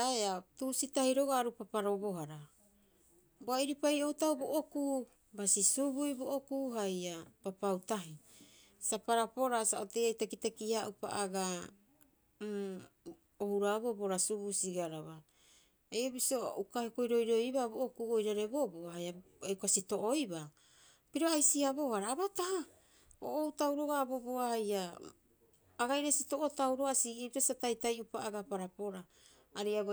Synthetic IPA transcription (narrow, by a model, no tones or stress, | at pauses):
aeatusitahiɾo̞ɡoaɾupapaɾo̞βo̞ɦaɾa | boaiɾipajo̞utawboʔoku | basisubujboʔokuːɦajapapautaɦi | sapaɾapo̞ɾasaʔotejajtakitakiaʔupa̰ʔaɡa | ohuɾaβoboɾasubusiɡaɾaβa | ejobisio̞ukahekojɾo̞jɾo̞jbaβoʔokuɡojɾaɾeboboaaja | eukasito̞ʔojba | piɾo̞ajsiaβo̞haɾaːβataha | o̰ʔoutawɾo̞ɡabo̞boaaja | ɡajɾesito̞ʔotawɾo̞asiɡitasatajtajupaʔaɡapaɾapo̞ɾaː | ɾiaβ